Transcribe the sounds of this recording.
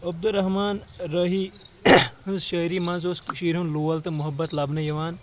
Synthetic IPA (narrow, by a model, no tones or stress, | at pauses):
ɐb̚d̪uɾɐɦmaːnɾɐɦi | hɐnzʃɐːjɾimɐnzosʃiːɾɦunluːɐlt̪ɐmuɦɐbːɐt̪lɐbnɐjɐʋaːn